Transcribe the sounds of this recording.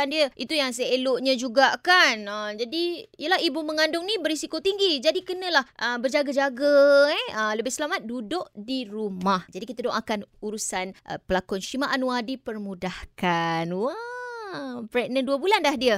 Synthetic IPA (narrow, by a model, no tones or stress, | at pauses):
andiəʔit̪ujaŋs̬əeloʔɲãd͡ʒuɡaʔkanəmd͡ʒadiijəlaɦibuməŋandʊŋnĩbəɾisikot̪iŋɡid͡ʒadikənə̃lahʔəbərd͡ʒaɡad͡ʒaɡəɛələbɪhsəlamat̪̚dudʊʔdiɾumahd͡ʒadikit̪adoŋakanuɾusanʔə̰pəlakɔnʃimaʔanũadipərmudahkanwa | pɾɛʔ̚nənduəbulanlahdiə